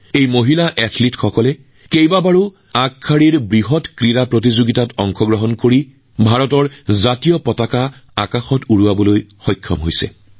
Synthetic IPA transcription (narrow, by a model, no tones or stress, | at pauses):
ejmoɦilaʔɛtʰlitxɔkɔlɛ | kejbabaɹu | akʰːaɹiɹbɹiɦɔtkɹiɹapɹotizoɡitatɔŋxɔɡɹɔɦɔnkoɹi | bʱaɹɔtɔɹzatijɔpɔtakaa̰kaxɔtuɹuabɔlojxɔjkʰːɔ̰mɦojsɛ̰